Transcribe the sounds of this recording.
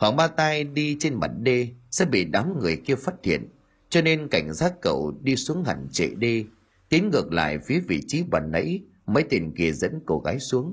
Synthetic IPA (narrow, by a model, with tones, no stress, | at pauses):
hwaː˨˩ŋɓaː˧t̪a˧jɗi˧t͡ɕe˧nmə̰˧˩n̚ɗe˧sɛ̰˧˥ɓḭ˧˨ɗa˨˦mŋɨ˨˩əjki˧əfaː˦˥t̚t̪ʰḭ˧˨ən | t͡ɕɔ˧ne˧nka˧˩jŋ̟zaː˦˥t̚kə̰˧˨wɗi˧su˨˦əŋha˨˩ŋt͡ɕḛ˧˨ɗe˧ | t̪i˨˦ənŋɨ˨˩ək̚la̰ː˧˨jfi˨˦əvḭ˧˨t͡ɕi˨˦ɓa̰ː˨˩nnə̰˧˥j | məː˨˦jt̪i˨˩ŋki˨˩əzə̰˧˥nko˧˩ɣaː˨˦jsu˨˦əŋ